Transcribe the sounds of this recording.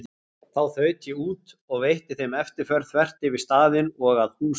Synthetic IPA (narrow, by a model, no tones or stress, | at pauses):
θawθœːɥt̪jɛuːt̪ | ɔɣvejht̪ɪθejmɛft̪ɪɾ̥fœɾθvɛr̥t̪ɪvɪst̪aːðɪnɔɣaðhuː